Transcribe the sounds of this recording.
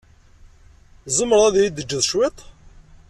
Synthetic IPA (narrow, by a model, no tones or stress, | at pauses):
zˤəmːəɾˤæðjid̪əd͡ʒːəðˤʃwɪt̪ˤ